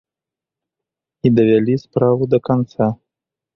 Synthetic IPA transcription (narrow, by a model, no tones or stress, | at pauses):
id̪ɐvʲalʲispɾavud̪ɐkant̪sa